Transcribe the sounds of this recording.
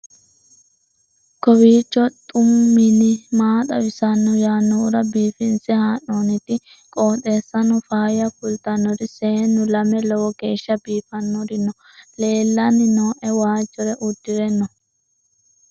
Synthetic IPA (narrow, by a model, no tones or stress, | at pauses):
kɔwiːt͡ʃːɔt̪ʼʊmːɪlɪmaːt̪ɐwɪsɐnːɔjaːnːɔʊɾɐbiːfɪnsɛhaːnːoːnɪt̪ɪ | kʼoːt̪e̞ːsːɐnɔfaːjɐkʊlt̪ɐnːɔɾɪseːnːʊlɐmɛlɔwɔɡeːʃːɐbiːfɐnːɔɾɪnːɔ | le̞ːlːɐnːɪnoːʔɛwaːd͡ʒːɔɾɛʔʊd̪ːɪɾɛnːɔ